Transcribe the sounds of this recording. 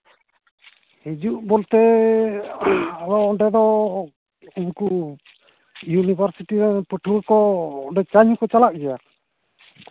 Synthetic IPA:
hid͡ʒuʔbɔlt̪ɛ | aɾɔːɖɛd̪ɔ | uɲku | junibʱaɾsiʈiɾɛnpəʈʰuɾkɔɖɛt͡ʃaɲukɔt͡ʃalak̚d͡ʒɛja

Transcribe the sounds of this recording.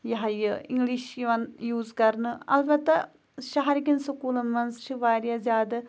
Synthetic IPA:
jɐɦɐjɐiŋɡliʃjiʋɐnjuːzkɐɾnɨɐ̰lbɐt̪ːɐ | ʃɐɦɐɾiɡʲinsɐkuːlɐmɐnst͡ʃʰiʋaːɾjaːzjaːd̪ɐ

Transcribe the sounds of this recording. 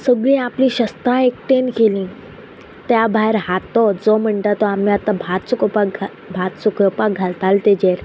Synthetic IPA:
səɡɭĩːaplĩːɕəst̪ãek̚ʈenkelĩː | t̪jabʱaɦeɾhat̪ɔd͡zɔm̤əɳʈ̪at̪ɔamiat̪abʱat̪sukɔpa | bʱat̪sukɔpaɡʱalt̪alt̪ed͡ʑeɾ

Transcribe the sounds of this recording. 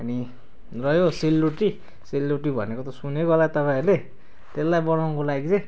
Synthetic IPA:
ʌni | rʌjoselːoʈi | selːoʈibʱʌ̰nekot̪ʌsuneɡʌlat̪ʌpaĩʌɾule | t̪elːajbʌnaw̃kolaɡit͡sẽj̃

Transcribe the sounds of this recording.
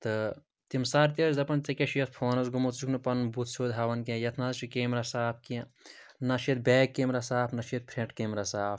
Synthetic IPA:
t̪ɨ | t̪imsaːɾt̪ʲezɐpɐnt͡sɐkʲɐʃʰijɐt̪pʰoːnɐsɡumot̪d͡ʒukʰnɨpɐnbut̪ʰsʰoːd̪ɦaːʋɐnkẽjɐt̪ʰnɐzt͡ʃʰikeːmɾɐsaːpʰkĩnɐʃʰjet̪̚bʲeːkːemɾɐsaːpʰnɐʃʰit̪̚pʰɾeʈkeːmɾɐsaːp

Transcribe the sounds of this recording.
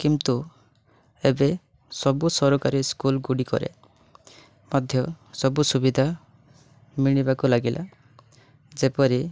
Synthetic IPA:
kint̪u | ebe | sɔbusɔɾokaɾiskulɡuɽikɔ̰ɾḛ | mad̪ʱjɔsɔbusubid̪ʱa | miɽ̃ibakulaɡilʔa̰ | d͡ʒepɔɾi

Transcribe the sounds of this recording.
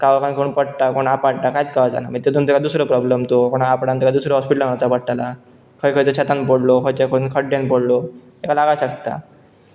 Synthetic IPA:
kaʋakankʰoɳpəɽt̪akoɽ̃apaɽʈ̪akajt̪kaʋad͡za̰naməɡt̪et̪ʰunt̪ukad̪usɾəpɾɔbləmt̪okoɽ̃aapɽant̪ukad̪usɾəɦɔspiʈəlaɡat̪apəʈʈala | kʰəjkʰəjt̪ot͡ɕʰat̪anpoɽlokʰəjt͡ɕekʰəɽunkʰəɽjanpoɽlo | ekalaɡaɕəkt̪a̰

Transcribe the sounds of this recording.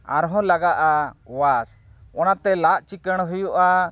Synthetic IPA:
a̰ɾɦɔ̃laɡaʔawasɔnat̪ɛlaʔt͡ʃikəɽ̃ɦujɔʔa

